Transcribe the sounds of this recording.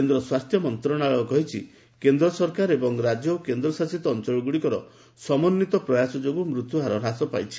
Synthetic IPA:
end̪ɾɔswast̪ʰjɔmɔnt̪ɾɔɽ̃aɭɔkɔɦit͡ʃʰḭ | kend̪ɾɔsɔɾkaɾebɔŋɾad͡ʒjɔokend̪ɾɔsasit̪ɔɔnt͡ʃɔɭɔɡuɽikɔɾɔ | sɔmɔnːit̪ɔpɾɔjasɔd͡ʒoɡumɾut̪juɦaɾɔɾasɔpa̰jt͡ʃʰi̥

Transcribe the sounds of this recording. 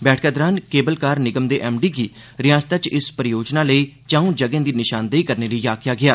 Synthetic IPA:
bɛːʈʰkaːd̪ɾaːnkeːbəlkaːɾnɪɡəmd̪eːʔɛːmɖiːɡiː | ɾɪjãːst̪aːt͡ʃɪspəɾɪjoːd͡ʒnaːləiːt͡ʃaːũːd͡ʒəɡẽːd̪iːnɪʃaːnd̪əiːkəɾneːləiːaːkʰɪjaːɡɪaː

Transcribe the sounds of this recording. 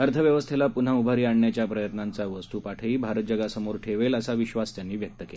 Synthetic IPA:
əɾt̪ʰəʋjəʋəst̪ʰelapun̤aubʱaɾiːaɳːjat͡ɕjapɾəjət̪nant͡saʋəst̪uːpaʈʰəiːbʱaɾət̪̚d͡ʑəɡasəmoɾʈʰeʋeləsaʋiɕʋast̪janːiːʋjək̚t̪əkel

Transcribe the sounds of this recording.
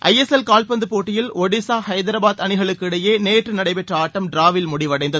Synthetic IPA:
ʔɐjɛsɛlkaːlpɐnd̪ɯpoːʈːɪjɪlɔɽɪsaːhɐɪðɐɾɐbaːðɐɳɪɣɐɭɯkːɪɽɐjeːneːʈrɯnɐɽɐɪpɛʈrɐaːʈːɐmɖɾaːʋɪlmʊɽɪʋɐɽɐɪd̪ɐðɯ

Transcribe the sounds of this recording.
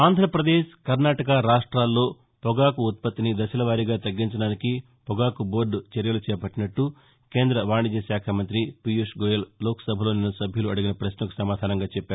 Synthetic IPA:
aːnd̪ʱɾɐpɾɐd̪eːʃkɐɾnaːʈɐkaɾaːʂʈɾaːlːo̞ː | pɔɡaːkuːt̪̚pɐt̪ːinid̪ɐʃɐlɐʋaːɾiɡaːt̪ɐɡːiɲt͡ʃɐɖaːniki | pɔɡaːkubo̞ːɾɖut͡ʃɐɾjɐlut͡ʃɛːpɐʈːinɐʈːu | ke̞ːnd̪ɾɐʋaːɳɖid͡ʒɐʃaːkʰɐmɐnt̪̬ɾipijuʂɡoːjɐlloːkɐ̥sɐbʱɐlo̞ːninːɐsɐbʱjuluɐɽuɡinɐpɾɐʃnɐku̥sɐmaːd̪ʱaːnɐŋɡaːt͡ʃɛpːaː

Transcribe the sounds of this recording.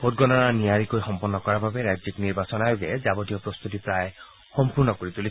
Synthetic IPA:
bod̪̚ɡɔnɔɾaniaɾikojxɔmpɔɾnɔkɔɾabʱabeɾajd͡ʒikniɾbasɔnaoɡed͡ʒabɔtijɔpɾɔst̪ut̪ipɾae | hɔmpuɾnɔkoɾit̪uli

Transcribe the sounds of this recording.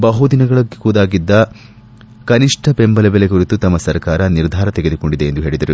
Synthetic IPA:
bɐɦud̪inɐɡɐɭɐɡːekuːd̪aːɡid̪ːɐ | kɐniʂʈʰɐpe̞mbɐlɛbelekuɾit̪ut̪ɐmːɐsɐɾkaːɾɐniɾd̪ʱaːɾɐt̪ɛɡed̪uko̞ɳɖid̪e̞end̪uɦe̞ːɭid̪ɐɾu

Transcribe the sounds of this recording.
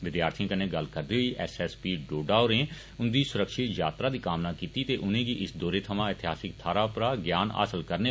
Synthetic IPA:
ʋɪd̪jaːɾt̪ʰijãːkənẽːɡəlkəɾd̪iːɦiːʔɛ̰ːsɛːspiːɖoːɖaːoɾẽː | ʊnd̪iːsʊɾəkʃɪt̪jaːt̪ɾaːd̪iːkaːmnaːkiːt̪iːt̪eːʔʊnẽːɡiːʔɪsd̪oːɾeːt̪ʰəmãːɪt̪ɪɦaːsɪkt̪ʰaːɾaːpɾaːɡjaːna̰ːsəlkəɾneː

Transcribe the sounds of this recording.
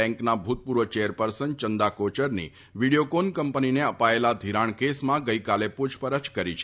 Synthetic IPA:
ɛ̃ŋknabʱut̪̚puɾʋət͡ʃeəɾpəɾsənt͡ʃənd̪akot͡ʃəɾnḭ | ʋiɽijokonkəmpənineəpaelad̪ʱiɾãɳ̃kesmãɡəikalepʊt͡ʃʰpəɾət͡ʃkəɾit͡ʃʰ

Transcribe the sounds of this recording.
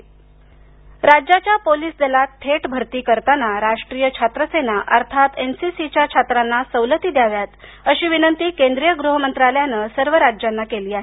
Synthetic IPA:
ɾad͡ʑat͡ɕjapoliːsd̪elat̪ʰːeʈbʱəɾt̪iːkəɾt̪anaɾaʂʈɾijət͡ɕʰat̪ɾəsenaʔəɾt̪ʰat̪ensisit͡ɕjat͡ɕʰat̪ɾanːasəwlət̪iːd̪jaʋjat̪ | əɕiːʋinənt̪iːkend̪ɾijəɡɾuɦəmənt̪ɾaljanəsəɾʋəɾad͡ʑjanːakeliːaɦ

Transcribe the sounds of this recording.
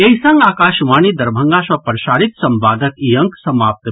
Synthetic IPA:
ejsɐ̃ŋɡaːkaːʃʋaːnid̪ɐɾbʱɐ̃ŋɡaːʃɐpəɾɐʃaːɾit̪sɐ̃mʋaːd̪ʱɐkijɐ̃ŋksɐmaːp̚t̪

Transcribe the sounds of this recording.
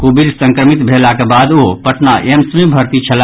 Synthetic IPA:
kubiɾsə̃ŋkɾəmit̪bʱelakebad̪opəʈnaʔemsmebʱəɾt̪it͡ʃʰəla

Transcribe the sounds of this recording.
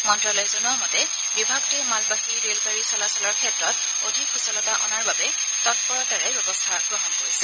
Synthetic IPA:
mɔntɹalɔjzɔnuamɔtɛ | bibʱaɡtɛmalbasiɹelkaɹisɔlasɔlɔɹkʰɛtɹɔt | odʱikʰːusɔlɔtaʔɔ̰naɹbabɛ | tɔt̚pɔɹɔtaɹɛbjɔbɔstʰaɡɡɹɔɦɔnkoɹisɛ

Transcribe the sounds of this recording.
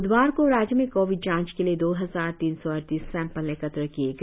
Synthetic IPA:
d̪ʋaːɾkoɾaːd͡ʒjəmẽkoːʋɪɖd͡ʒãːnt͡ʃkelied̪oːɦɐzaːɾt̪iːnsɔɐɾt̪iːsːɛ̃ːmpəlnekɐt̪ɾəkieɡ

